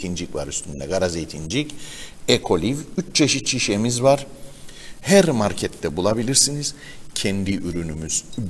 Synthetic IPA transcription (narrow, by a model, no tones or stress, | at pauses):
ind͡ʒicvaɾyst̪ʰynd̪ɛɡaɾazejt̪ʰind͡ʒicɛkʰo̞lʲivyt͡ʃt͡ʃʰeʃit̪̚t͡ʃʰiʃemizvaɾ̥ | hæɾmaɾcʰɛt̪ːɛbulˠabilʲiɾsiniz̥ | cʰɛnd̪iʔyɾynymyz̥